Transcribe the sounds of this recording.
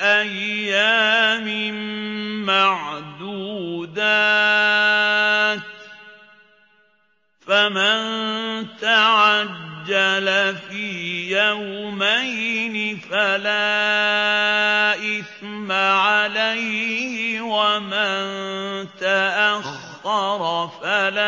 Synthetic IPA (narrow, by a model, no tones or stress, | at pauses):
ʔajːaːmɪmmaʕd̪uːd̪a | t̪ | famant̪aʕad͡ʒːalafiːjawmajnɪfalaː | ʔɪθmaʕalajhɪwamant̪aʔaxːɑɾˤfalaː